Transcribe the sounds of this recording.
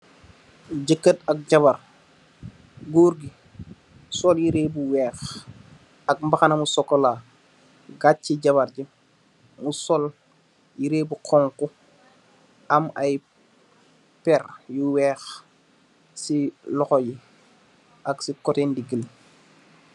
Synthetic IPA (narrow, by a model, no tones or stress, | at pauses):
ɟəkːətɐk̚ɟaβar | ɡuːɾɡi | sɔljiɾeːbuwɛːx | ɐk̚mbaxanamusɔkːɔla | ɡat͡ʃiɟaβaɾɟi | musɔl | jiɾeːbuqʰɔŋku | amaj | pɛrjuwɛːx | silɔxɔji | aksikɔtendiɡəl